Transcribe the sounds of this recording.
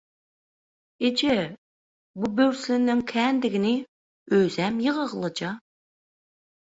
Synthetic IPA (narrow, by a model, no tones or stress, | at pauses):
ed͡ʒɛ | bubøwslɪnːɪŋkʲʰɛːnd̪ɪɡʲɪnɪ | øzɛmjəʁəʁəlˠɨd͡ʒɑ